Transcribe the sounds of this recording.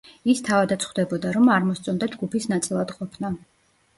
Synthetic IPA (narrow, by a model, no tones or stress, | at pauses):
ist̪ʰavad̪at̪sʰχwd̪ɛbɔd̪aɾɔmaɾmɔst̪sʼɔnd̪ad͡ʒɡupʰisnat̪sʼilˠad̪̥qʼɔpʰna